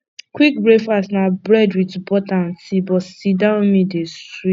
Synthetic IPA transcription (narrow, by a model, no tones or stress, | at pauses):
kwik̚bɹefasnabɹɛdwitbɔtãntibɔsidãmĩdeswi